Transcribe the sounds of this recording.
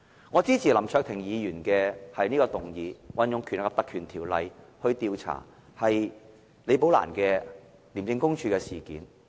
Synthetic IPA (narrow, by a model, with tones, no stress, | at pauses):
ŋɔː˨˧t͡siː˥t͡sʰiː˨lɐ˨˩mt͡ʃʰœː˧k̚t̪ʰɪ˨˩ŋjiː˨˧jyː˨˩nkɛː˧hɐ˨jniː˥kɔː˧t̪ʊ˨˩ŋjiː˨˧wɐ˨˧njʊ˨˧ŋkʰy˨˩n˨kːɐ˨˧p̚t̪kʰyː˨˩nt̪ʰiː˨˩wlɐ̰˨˧j | hɵ˧ɥt̪iː˧wt͡sʰa̰ː˨˩ | hɐ˨j | le˨˧jp̬o˨˥wla̰ː˨˩nkɛː˧ | li˨˩mt͡sɪ˧ŋkʊ˥ŋt͡ʃʰyː˧kɛː˧siː˨˩kḭː˨˥n